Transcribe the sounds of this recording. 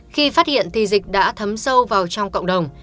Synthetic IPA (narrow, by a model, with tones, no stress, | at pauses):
xi˧faː˦˥t̚hḭ˧˨ənt̪ʰi˨˩zï˨˩k̟̚ɗa̰ː˧˥t̪ʰə˨˦msə˧wvaː˨˩wt͡ɕɔ˧wŋ͡mko̰˧˨wŋ͡mɗə˨˩wŋ͡m